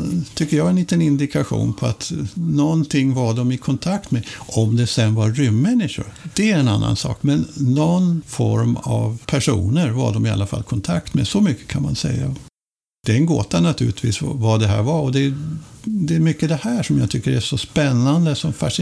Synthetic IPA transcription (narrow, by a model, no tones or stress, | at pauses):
t̪ʰʏkːəɾjɑːɡɛnliːt̪ənɪnd̪ɪkʰaɧṵːnpʰɔa̰t̪nɔnt̪ʰɪŋːvaɖɔmɪkʰɔnt̪ʰakt̪meʔɔmd̪ɛsɛnvaɾʏmːɛnːɪʂʊ̰ɾd̪̥ɛæɛna̰nːa̰nsɑ̰ːkmɛnːɔnfɔ̰ɾma̰vpʰæʂṵːnəɾva̰ɖɔmɪa̰lːafa̰lkʰɔnt̪ʰakt̪mḛsɔmʏkːə̥kʰanma̰nsɛ̰jːa | d̪̥ɛɛnɡoːt̪anat̪ʰʉ̟ːlɪt̪ʰvḭːsvvad̪ɛɦæ̰ːɾvaɔd̪ɛ | d̪ɛːɾmʏkːəd̪ɛhæːʂɔmjɑaːt̪ʰʏkːəɾæʂɔspɛnːand̪əsɔmfaʂ